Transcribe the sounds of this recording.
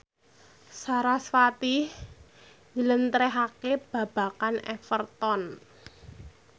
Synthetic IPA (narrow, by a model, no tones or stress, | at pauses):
saɾasfat̪ih | ɲd͡ʒələnt̪ɾɛɦakeb̥ä̤b̥a̤kanɛ̰fərt̪ɔn